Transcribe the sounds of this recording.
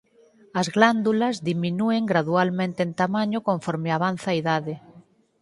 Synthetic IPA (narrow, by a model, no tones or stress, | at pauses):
ɐzɣland̪ulɐzðiminueŋɡɾaðualmẽnt̪eːnt̪amãɲokõɱfɔɾmeaβanθaːiðaðe